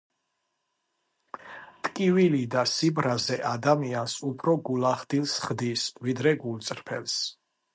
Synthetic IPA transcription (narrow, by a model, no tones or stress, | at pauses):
t̪ʼkʼivilid̪asibɾazɛʔad̪amiansupʰɾɔɡulaχd̪ilˠsχd̪isvid̪ɾɛɡult̪sʼɾpʰɛ̰ls